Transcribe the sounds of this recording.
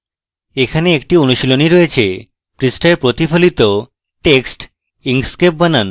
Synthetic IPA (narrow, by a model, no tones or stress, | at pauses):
ekʰaneekʈionuʃiloniɾoet͡ɕʰe | pɾisʈeɾpɾot̪ifʰolit̪o | ʈeksʈ | iŋskep̚banan